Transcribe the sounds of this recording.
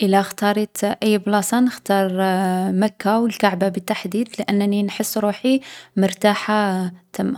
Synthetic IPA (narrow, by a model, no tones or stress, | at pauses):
ʔəlaxt̪ɑɾˤit̪ʔəjːblɑsˤɑnəxt̪ɑɾˤmækːawəlkaʕbabət̪ːaħd̪id̪ləʔənːninħəsːɾuħiməɾˤt̪aħat̪əmːa